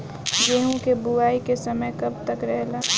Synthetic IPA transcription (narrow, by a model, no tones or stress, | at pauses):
d͡ʒeːɦũkebuaːikesɐməjkɐb̚t̪ɐkɾɛɦlaː